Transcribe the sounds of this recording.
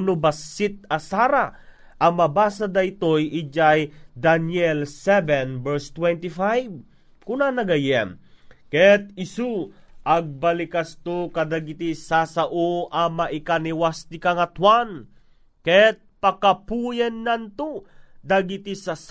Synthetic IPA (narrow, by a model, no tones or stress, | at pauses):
nobɐsːit̪̚ɐsaɾa | ʔɐmɐbaːsad̪ait̪ojʔid͡ʒajd̪anjɛlsɛvɛnbɛɹst̪wɛnt̪ifajb | kunanɐɡɐjɛmkɛt̪̚ɪsuʔaɡ̚bɐlɪkast̪okɐd̪aɡit̪isasaʔoʔamaʔɪkaniwast̪ɪkaŋat̪wan | kɛt̪̚pɐkapujɛnːant̪ud̪aɡit̪isas